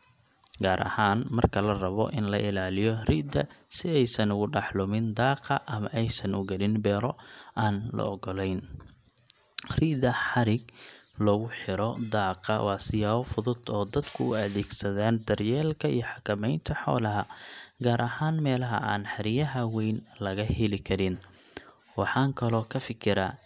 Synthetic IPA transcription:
ɡaːɾʔɐ̰haːnmɐrkʰɐlɐrɐβɔ̰ʔɪnlɐʔɪlaːlɪjɔrid̪ɐ̰sɪɛjsɐnʊɣʊɖɑħlʊmɪnd̪ɑːqɐʔɐmɐʔɛjsɐnʊ̰ɡɐlɪnbɛːɾɔaːnlɔ̰ɔɡɔlɛjn | riðɐħɑɾɪɡlɔːɣʊħɪɾɔd̪ɑːqɐwɑːsɪjaːβɔfʊðʊd̪ɔːd̪ɐd̪kʰʊʊɐðɛːɡsɐðaːnd̪ɐrjɛːlkʰɐḭjɔħɑkʰɐmɛjnt̪ʰɐħɔ̰ːlɐɦɐɡaːɾʔɐɦaːnmɛːlɐɦɐ̰ʔa̰ːnħɪɾɪjɐɦɐwɛjnlɐɣɐhɛlɪkʰɐɾɪn | wɑħɑːŋkʰɐlɔːkʰɐfɪkʰɪɾɐ

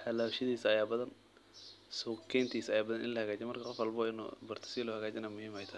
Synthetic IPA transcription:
ħɐlaːwʃɪðiːsɐjaːbɐðɐn | sɔkʰɛjnt̪ʰiːsɐjaːbɐðɐnʔɪ̰nlɐhɐɣaːd͡ʒɛmɐrkʰɐqɔfɐlbɔɪn̰ːbɐrt̪ʰɐ̥sɪlʊhɐɣaːt͡ʃɛnɐmʊhiːmhɛjt̪ʰɐ

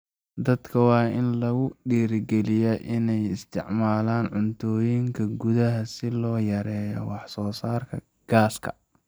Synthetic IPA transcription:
d̪ɐd̪kʰɐwɑːɪnlɐɣʊɖiːɾɡɛlɪjɛʔɪnɛjɪst̪ʰɪ̰ʕmaːlaːnʕʊnt̪ʰɔːjiŋkʰɐɡʊðɐɦɐsɪlɔːjɐɾɛːjɔ̰wɑħsɔːsaːrkʰɐ | ɡ̥aːskʰɐ̰

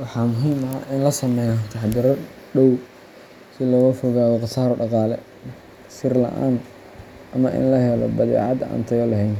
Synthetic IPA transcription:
wɑħɑːmʊɦiːmɐʔɪnlɐsɐmɛjnɔt̪ʰɑħd̪ɪɾɐ | ɗɔw | sɪlɔːɣɐfɔɣaːɣɔqɑsaːɾɖɑqɑːlɛ̰ | sɪrlɐ̰ʔa̰ːn | ʔɐmɐʔɪ̰nlɐɦɛlɔ̰bɐðɛ̰ːʕɑd̪a̰ːnt̪ʰɐjɔlɐɦɛjn

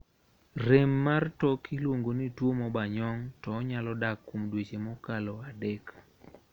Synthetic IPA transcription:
remːartɔkʰilwoŋɡonitwomɔbaɲɔŋtɔːɲalɔdakːomdwet͡ʃemɔkalɔadɛk

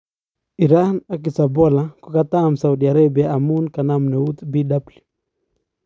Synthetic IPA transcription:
iɾanak̬isabɔlakukat̪amsaudiaɾabiaːmunkanamnɛut̪bidabli

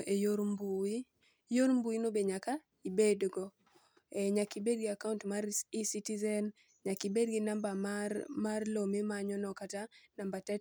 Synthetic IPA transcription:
ʔejoɾmbui | joɾmbuinobeɲaka | ibedɡɔ | ɛɲakibed̚ɡiakauntmaɾisitizɛn | ɲakibedɡinambammarlomimaɲɔnɔkatanambatɛt

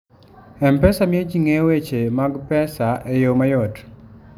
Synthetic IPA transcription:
ɛmpɛsamiet͡ʃiŋewet͡ʃemaɡpɛsaʔejomajɔt

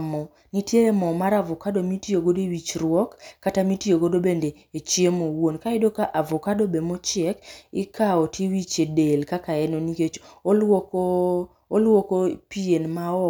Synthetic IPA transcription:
mɔ | nitjeemɔmaɾavɔkadomitioɡodoiwit͡ʃɾwɔkːatamitioɡodobendeːt͡ʃjemowonkaɪdokaʔavɔkadobemot͡ʃɛkikaotʰiwit͡ʃedelkakaɛnoniket͡ʃolwoko | olwokopienmaɔ

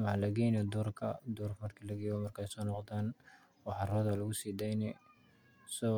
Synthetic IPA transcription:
mɐhalɐɡɛjnɔd̪uːrkʰɐ̰d̪uːrfmɐrkʰiːlɐɡɛːjɔmɐrkʰɛjsɔːnɔqd̪aːn | wɑħɑrɔːðɐlɐɣʊsiːd̪ɛjnɛ | sɔ

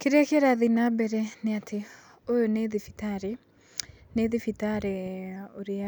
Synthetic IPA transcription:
keɾɛkeɾaðinabɛɾɛneatʰe | ojoneðifitaɾe | neðifitaɾeoɾea

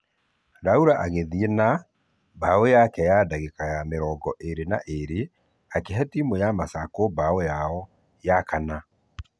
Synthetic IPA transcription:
ɾauɾaʔaɣeðiena | baojakɛjadaɣekajameɾɔːɡɔʔeɾena̰ʔeɾe | akeɦɛtimojamasakobaɔjaɔ | jakana

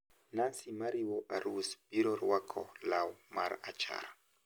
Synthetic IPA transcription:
nansimaɾiwɔʔaɾusbiɾɔɾwakʰɔlawmaɾat͡ʃa̰ɾa

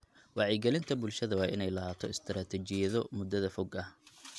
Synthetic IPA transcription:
wɑʕɛɡɛlɪnt̪ʰɐbʊlʃɐðɐwɑːʔɪnɛjlɐhaːt̪ʰɔɪst̪ʰɾaːt̪ʰɛt͡ʃɪjɐðɔmʊd̪ɐðɐfɔɡɐh

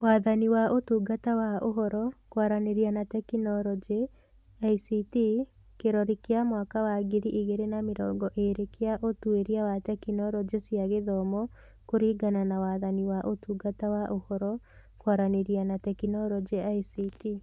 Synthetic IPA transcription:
waːðaniwaʔotuːɡatawaoɦɔɾɔkwaɾaneɾianatɛkinɔɾɔd͡ʒe | aisiti | keɾɔɾikeamwakawaɡeɾiʔiɣeɾenameɾɔːŋɡɔʔeɾekeaʔotueɾiawatɛkinɔɾɔd͡ʒesjiaɣeðɔmɔ | koɾiːɡananawaːðaniwaʔotuːɡatawaʔohɔɾɔ | kwaɾaneɾianatɛkinɔɾɔd͡ʒeaisiti

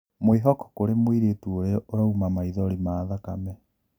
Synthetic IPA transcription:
mweɦɔkɔ̥koɾemwiɾetuoɾeoɾaumamaiðɔɾimaðakamɛ

